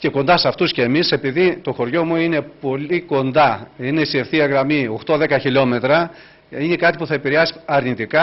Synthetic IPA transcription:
ce̞ko̞nd̪ɐsɐft̪usce̞ːmise̞piðit̪oxo̞ɾʝo̞muine̞po̞liko̞nd̪ɐine̞siefθiɐɣɾɐmio̞xt̪o̞ðe̞kɐçilo̞me̞t̪ɾɐ | ine̞kɐt̪ipuθɐe̞piɾeɐsi̥ɐɾnit̪ikɐ

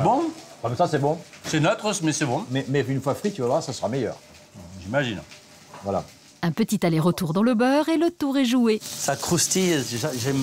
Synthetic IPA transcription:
bɔ̃b̥abɛsasɛbɔ̃sɛnœt̪χəsmɛsɛbɔ̃mɛmɛynfwafχit̪yvavwaʁsasəʁamejœ̰ːʁ | ʒimaʒin | vwala̰ | ɛ̃pət̪it̪alɛʁət̪uʁd̪ɑ̃ləbœːʁelət̪uʁɛʒuesakχust̪ieʒaʒɛm

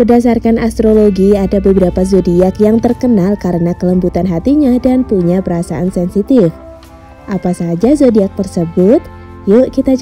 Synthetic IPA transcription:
pərdas̬arkanast̪ɾoloɡiadabəbəɾapazodiakjaŋt̪ərkənalkaɾənakələmbut̪anɦat̪iɲadanpuɲapəɾasa̰ʔansɛnsit̪ɪf | ʔapasad͡ʒazodiak̚t̪ərsəbʊt̪̚ | jukit̪a

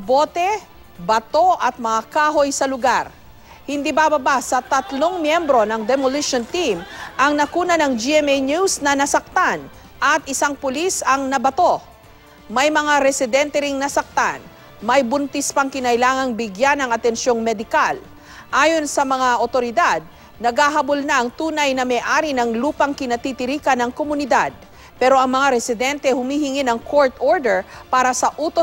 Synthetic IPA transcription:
bo̞ːt̪ɛ | bɐt̪o̞ʔɐt̪̚mɐŋakaːɦo̞jsɐlʊɡaɾ | hɪnd̪ibabɐbasɐt̪ɐt̪loŋmjɛmbɾo̞nɐŋd̪ɛmoliʃont̪imʔɐŋnɐkuːnɐnɐŋd͡ʒiɛmɛjnjusnɐnɐsɐk̚t̪an | ʔɐt̪̚ɪsaŋpʊlisɐŋnɐbɐt̪o̞ | mɐjmɐŋaɾɛsɪd̪ɛnt̪ɛɾiŋnɐsɐk̚t̪an | mɐjbʊnt̪ɛspɐŋkɪnɐjlaːŋɐŋbɪɡjanɐŋɐt̪ɛnsjo̞ŋmɛd̪ɪkal | ʔaːjo̞nsɐmɐŋaʔot̪o̞ɾɪd̪ad̪̚ | nɐɡaːɦɐbʊlnɐʔɐŋt̪uːnɐjnɐmɛʔaːɾinɐŋluːpɐŋkɪnɐt̪it̪ɪɾiːkɐnɐŋkomʊnɪd̪ad̪̚ | pɛɾo̞ʔɐŋmɐŋaɾɛsɪd̪ɛnt̪ɛhʊmiːhɪŋinɐŋkoɹt̪oɹd̪ɛɹpaːɾɐsɐʔuːt̪o

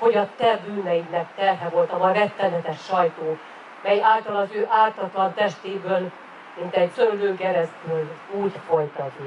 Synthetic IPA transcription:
ho̞ɟɒt̪ɛbyːnɛjinɛkt̪ɛrɦɛvo̞lt̪ɒvɒjrɛt̪ːɛnɛt̪ɛʃːɒjt̪oː | mɛjaːlt̪ɒlɒzøːʔaːrt̪ɒt̪lɒnt̪ɛʃt̪eːbøl | mint̪ɛɟsøɾyløːŋkɛɾɛst̪yluːɟfo̞jt̪ɒti

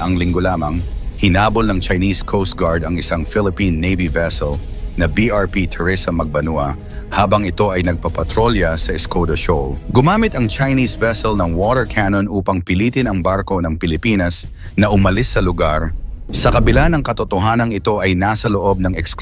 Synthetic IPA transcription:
ʔɐŋlɪŋɡolaːmɐŋhɪnaːbolnɐŋt͡ʃɐjniskʰowst̪̚ɡaɹd̪ɐŋɪsaŋfɪlɪpinːejvivɛsɛl | nɐbiʔaɹpit̪ʰʊɹɪsɐmːɐɡ̚bɐnuʔɐ | haːbɐŋɪt̪o̞ʔɐjnɐɡ̚pɐpɐt̪ɾoljɐsɐɪskʰowd̪ɐʃolɡʊmaːmɪt̪ɐŋt͡ʃɐjnisvɛsɛlnɐŋwot̪ɛɹkʰanonʔuːpɐŋpɪliːt̪ɪnɐŋbaɾko̞nɐŋpɪlɪpiːnɐs | nɐʔʊmɐlɪsːɐlʊɡaɾsɐkɐbɪlanɐŋkɐt̪ot̪oɦaːnɐŋɪt̪o̞ʔɐjnaːsɐloʔo̞b̚nɐŋɛksk

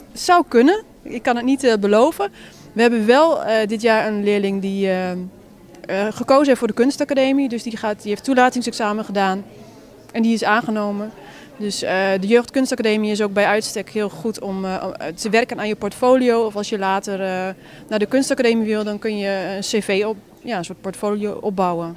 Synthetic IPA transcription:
sawkønən | ɪkːanətnitbəloːvə | ʋəɦɛbənʋɛlˠdɪt̬jaːrənlɪəlɪŋdi | xəkoːzəefʊːdəkønstakadeːmidøsdixatdieftːulaːtɪŋsɛksaːməχədaːn | ʔɛndiɪsaːnɣənoːmən | døsədəjøːxtkønstakadeːmiɪs̬ok̚bɛjœɥtstɛkhɪəlˠχutʰɔmtəʋɛrkənaːnjəpɔɹtfoːlioːɔfɑlˠsjəlaːtər | naːdəkønstakadeːmiʋɪlˠdɔnkønjəənseːveː | jaənsoːt̚pɔɹtfoːlijoʔɔp̚bawən

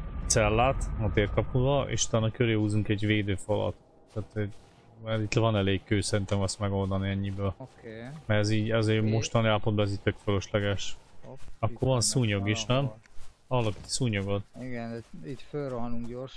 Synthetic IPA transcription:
t̪sɛlːaːt̪nɒt̪eːrkɒpnuvɒʔḛːʃu̥t̪aːnːɒkøɾøːhuːzuŋkɛɟveːd̪øːfɒlɒ̰t̪ː | aːt̪ɛɟ | mɛɾit̪lɛvɒnɛleːkkøːsɛɾint̪ɛmɛsmɛɡo̞ld̪ɒniɛɲːibøːlmɛɾɛziːɟɛzeːmo̞ʃt̪ɒniaːlpod̪bɒɛziːtʲt̪økføløʃlɛɡɛʃ | ɒkːoɾvɒnsuːɲoɡiʃnɛm | ɒlːɒki̥t̪suːɲoɡot̪iɡnit̪følroɦnuŋkɟorʃ

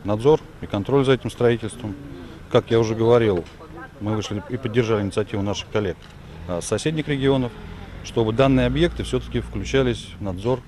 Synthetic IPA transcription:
nɐd̪zo̞r | ikɐnt̪ɾo̞lʲzɐɛtʲɪmst̪ɾɐitʲɪlʲst̪vəm | kakjaʊʐɛɡəvɐɾʲilˠ | mɨvɨʂlʲɪipədʲːɪrʐalʲɪnʲɪt̪sɐtʲivʊnaʂɨ̥xkɐlʲːe̞k̚ | asɐsʲedʲnʲɪkɾʲɪɡʲɪo̞nəfʂt̪o̞bɨd̪anːɨjəɐbje̞k̚t̪ɨfsʲɵt̪ə̥kʲɪfklʲʉt͡ɕælʲɪsʲvnɐd̪zo̞r

